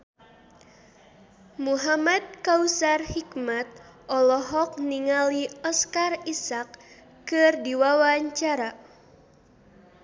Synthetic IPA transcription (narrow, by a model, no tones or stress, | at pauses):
muɦamad̪̚kausarhikmat̪̚ʔɔlɔɦɔk̚niŋaliɔskarisakː | ɨrdiwawaɲt͡ʃaɾa